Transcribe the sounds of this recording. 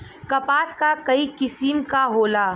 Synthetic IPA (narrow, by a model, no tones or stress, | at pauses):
kɐpaːskakɐikɪsimkaɦoːla